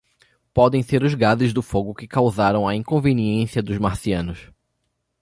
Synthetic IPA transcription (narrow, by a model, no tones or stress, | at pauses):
pɔd̪ẽj̃seɾʊzɡazʊzd̪ʊfoɡʊkɪkawzaɾɐ̃w̃ɐĩkõveniẽsiɐd̪ʊzmaɾsiɐ̃nʊs